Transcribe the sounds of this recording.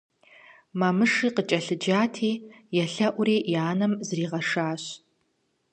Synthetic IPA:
maːmɨʂiːqət͡ʃʼɐɬɨd͡ʒaːtʰiːjɛɬɐʔʷʊɾiːjaːnɐmzriːʁɐʂaːɕ

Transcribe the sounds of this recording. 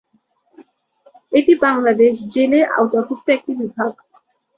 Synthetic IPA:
eʈibaŋlad̪eʃd͡ʑeleʔa̰wt̪akut̚t̪ːoɛk̚ʈibibʱaɡ

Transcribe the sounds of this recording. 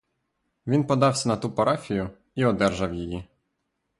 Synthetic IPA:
ʋʲinpɔd̪ɑwsʲɐnɐt̪upɐɾafʲijʊ | iɔd̪ɛrʒɐwjiji

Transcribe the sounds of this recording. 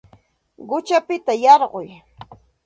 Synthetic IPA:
ɢʊt͡ʃapɪt̪ajɑɾɢʊj

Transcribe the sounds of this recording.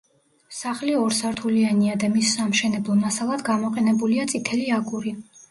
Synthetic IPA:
saχliɔɾsaɾt̪ʰulianiad̪amisːamʃɛnɛblˠɔmasalˠad̪ɡamɔqʼɛnɛbuliat̪sʼit̪ʰɛliaɡuɾi

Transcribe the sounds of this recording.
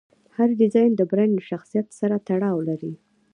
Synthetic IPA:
haɾd̪ɪzɑjnd̪əbɾanʃaxsijat̪saɾat̪aɽɑwlaɾi

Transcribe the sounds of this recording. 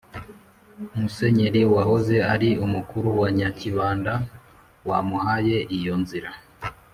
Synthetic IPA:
umuse̞ɲe̞ɾiwahoze̞aɾiumukuɾuwaɲaciβaːnda | wamuhaje̞ʔijo̞nziɾa

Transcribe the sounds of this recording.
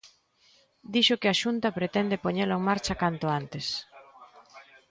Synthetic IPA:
d̪iʃʊkɪaʃunt̪ɐpɾet̪ɛnd̪epoɲeleŋmaɾt͡ʃɐkant̪ʊant̪es

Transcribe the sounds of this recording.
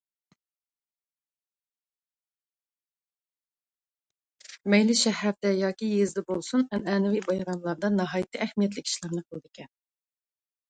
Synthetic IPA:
mɛjlɪʃɛhæɾd̪ɛjɑːkʲijezd̪ɛbolˠsunɛnɛːnɪvibɑjɾɑmlˠɑɾd̪ɑnɑɦɑːjit̪ʰɨæhmijɛt̪̬lɪkʲʰi̥ʃlˠɑɾnɨqʰəlˠɨd̪ɨkʲʰɛn

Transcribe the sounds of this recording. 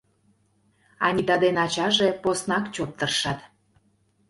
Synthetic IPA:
ɑ̰nʲid̪ɑd̪enɑt͡ɕɑʒeposnɑkt͡ɕot̚t̪ːərʃɑt̪

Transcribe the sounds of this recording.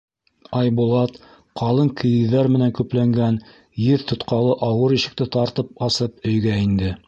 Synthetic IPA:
ɑjbulˠɑt̪ | qʰɑlˠɤŋkʰɘ̆jɘ̆ðæɾmɘ̆næŋkʉplæŋɡæn | jɘðt̪ʰŏt̪qɑlˠɤʔɑwɤɾiʃɘ̆k̚t̪ɘt̪ɑɾt̪ɤp̚ɑsɤp̚ɵ̆jɡæind̪ɘ

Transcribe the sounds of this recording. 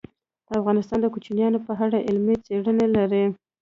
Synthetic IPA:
d̪̥əafɣɑnɪst̪ɑnd̪əkut͡ʃinjɑnopəɦaɽaʔɪlmet͡seɽənelaɾi

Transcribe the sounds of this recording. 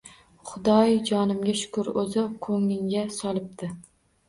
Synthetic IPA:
χʊd̪ɒjd͡ʒɒnɪmɡʲaʃʊ̥kʰʊɾɵzɪkʰoŋːɪŋɡʲasɒlˠɪp̚t̪ʰɪ

